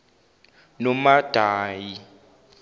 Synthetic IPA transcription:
nɔmad̥ʱaːji

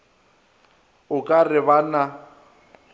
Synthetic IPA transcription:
ʊkʼarɪβana

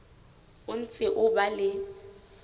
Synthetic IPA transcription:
ʊn̩t͡sʼɪʔʊbalɪ

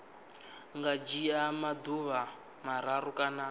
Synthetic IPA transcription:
ŋɡad͡ʒiamad̪uβa | maɾaɾukʼana

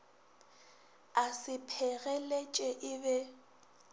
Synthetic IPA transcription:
asɪpʰɛɣɛlet͡ʃʼɛʔɪbɛ

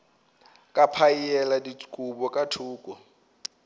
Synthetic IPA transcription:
kʼapʰaiɛladit͡skʼubɔkʼatʰuːkʼɔ

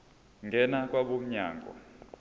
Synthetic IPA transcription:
ŋɡʱɛnak̬ʼwaɓom̩ɲa̰ːŋʱɔ̰

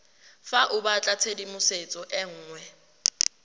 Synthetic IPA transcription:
faʔʊbat͡ɬʼat͡sʰedimʊset͡sʼɔʔɛŋ̩ːŋwɛ

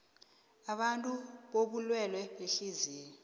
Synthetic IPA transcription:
aɓantʼuɓoɓulwɛlwɛɓeɬiziːjɛɔ

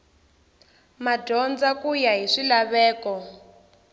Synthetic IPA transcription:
madʱɔnd͡zakujaɦiʂilaβɛːkɔ

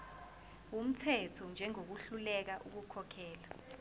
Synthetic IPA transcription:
um̩tʰɛtʰɔnd͡ʒʱɛŋok̬uɬulɛk̬aʔuk̬ukʰɔkʰɛːla

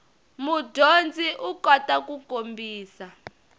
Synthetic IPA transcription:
mudʱond͡zʱiʔukʼɔtʼak̬ʼukombʱiːsa

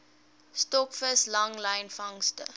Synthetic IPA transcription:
stɔkfəslɐŋlɐjnfɐŋstə̰

